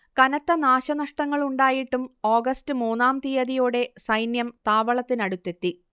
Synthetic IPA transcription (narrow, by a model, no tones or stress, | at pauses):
kɐnɐt̪ːɐnaːɕɐnɐʂʈɐŋːɐɭuɳɖaːjiʈːumo̞ːɡɐstɨmuːnːaːmt̪ijɐðijoːɽe̞sɐjnjɐmt̪aːʋɐɭɐt̪ːinɐɽut̪ːe̞t̪ːi